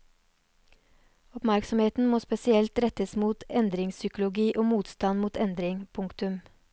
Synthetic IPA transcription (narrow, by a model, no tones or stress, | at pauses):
ɔpmæɾksɔmheːt̪n̩moːspɛsɪɛlt̪ɾɛt̪əsmuːt̪ɛnd̪ɾɪŋsʏkʊlʊɡiːʔoːmuːt̪st̪ɑnmuːt̪ɛnd̪ɾɪŋpʰʊŋkt̪ʉm